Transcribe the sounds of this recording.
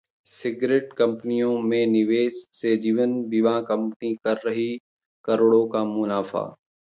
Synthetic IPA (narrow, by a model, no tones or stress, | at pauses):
sɪɡɾeːʈkɐ̃mpənijõmẽnɪʋeːssed͡ʑiːʋənbiʋãkɐ̃mpənikɐɾːɐɦi | kɐɾoːɽokaːmʊnaːfa̰ː